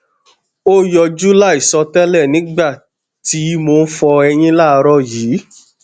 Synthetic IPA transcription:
o˦jɔ˧d͡ʒu˦la˦˨i˨sɔ˧tɛ˦lɛ˦˨nĩ˨˦ɡ͡ba˦˨ | ti˨˦mo˧n̩˦fɔ˧ɛ˧j̃ĩ˦la˦˨˧ɾɔ˦˨jiː˨˦

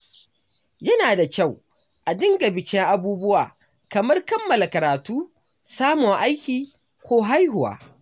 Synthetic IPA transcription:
jɐ˦naː˨da˨kʲa˦˨w | ʔa˨dɪ˦ŋɡɐ˨bɪ˨kʲɪ˦ŋʔa˦buː˦bʊ˦waː˨ | kɐ˨mɐ˦rkɐ˦mːɐ˨la˨kɐ˨ɾaː˨tuː˦ | saː˦mʊ˨ŋʔa˦jkʲiː˨ | kʷoː˦ɦa˦jhʊ˨wa̰ː˨

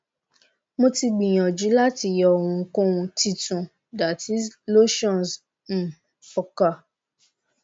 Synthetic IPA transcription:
mo˧ti˧ɡ͡bĩ˨j̃ɔ̃˨d͡ʒu˨˦la˦ti˧˨jɔ˨hũ˧˨˦kõ˦wũ˧ti˧tũ˨ | da˨ti˦zlo˦ʃɔ̃˦˨ns | m̩˨ | fɔ˨ka˨

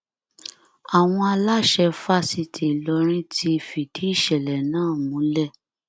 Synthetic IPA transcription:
a˨w̃ɔ̃˧a˧la˦ʃɛ˧fa˦si˧˨tʰi˨lɔ˧ɾ̃ĩ˦tʰi˧fi˨d̥i˨˦i˦˨ʃɛ˨lɛ˨nãː˦˨mũ˨˦lɛ˦˨

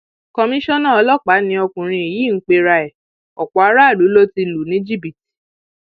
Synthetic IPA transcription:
kɔ˧mĩ˦ʃɔ̃˦nã˦˨ɔ˧lɔ˦k͡pa˨˦nĩ˧˦ɔ˧kũ˨ɾ̃ĩ˧e˨jiː˨˦ŋ̩˦k͡pe˧ɾa˧ɛ˨ | ɔ˨k͡pɔ˨˦a˦ɾa˦˨lu˨˦lo˦ti˧lu˨nĩ˨˦d͡ʒi˦˨bi˨ti̥˨

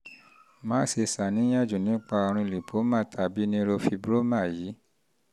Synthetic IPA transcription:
mãː˦se˧sa˨nĩ˨˦j̃ã˦˨d͡ʒũ˨nĩ˨˦k͡pa˧o˧ɾ̃ũ˧li˨pʰo˨˦mã˦˨tʰa˨bi˨˦nĩ˦ɾo˧fi˧bɾo˦mã˦˨jiː˨˦

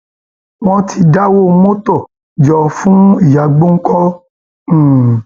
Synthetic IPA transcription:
w̃ɔ̃˦tʰi˧da˦wo˦mo˦tɔ˦˨ | d͡ʒɔ˧fũ˦i˦˨ja˨ɡ͡bõ˦ŋ̩˦kɔ̃˦˨

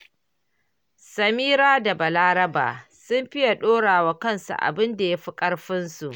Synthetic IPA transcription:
sɐ˨miː˦ɾaː˦da˨bɐ˨laː˦ɾɐ˦ba̰ː˨sʊ˦mɸɪ˦ja˨ɗoː˦ɽaː˨waː˦kɐ˦˨nsṵ˨ʔa̰˨bɪ˦nda˨ja˦ɸi˦kʼɐ˦rɸɪ˦nsu˨ʔ

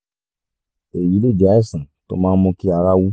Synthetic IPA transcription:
e˨ji˨˦le˦˨d͡ʒa˨˦ɛ˦˨sã˨to̰˧˦mãː˦mɔ̃˧ki˦a˧ɾa˦wu˦

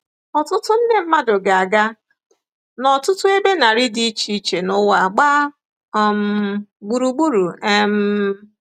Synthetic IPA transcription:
ɔ˨tʊ˦tʊ˦n̩˦ne˦m̩˦ma˦dʊ˨ɡa˨a˨ɡa˦ | nɔ˨tʊ˦tʊ˦e˦be˦na˨ɾi˦di˦t͡ʃi˦t͡ʃe˨nʊ˦wa˨ɡ͡ba˦˨ | m̩˨ɡ͡bu˨ɾu˨ɡ͡bu˦ɾu˨e˦m̩˦

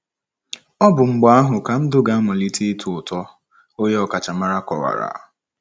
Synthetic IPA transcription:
ɔ˦bʊ˨ŋ͡m̩˨ɡ͡ba˦a˦ɦʊ˨ka˨m̩˦dʊ˦ɡa˦mɔ˨li˦tʰi˦tʰʊ˨ʊ˨tɔ˦ | o˦je˦ɔ˨ka˨t͡ʃa˨ma˦ɾa˦kɔ̰˨wa̰˨ɾa̰˨

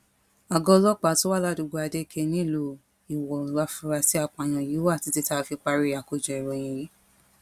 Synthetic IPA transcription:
a˨ɡɔ̃˧˦lɔ˦k͡pa˨˦to˦wa˦˨la˦du˨˧˨ɡo˧a˧de˦˧˨kʰe˧˦nĩ˦˨lo˧ | i˨wɔ˨ɾa˧fũ˧ɾa˧si˦a˧k͡pa˨ñã˨i˨˦wa˦˨ti˨˦ti˦ta˦˧fi˧k͡pa˧ɾi˦a˨ko˨d͡ʒɛ˨i˨ɾɔ˧˨j̃ĩ˧je˨˦

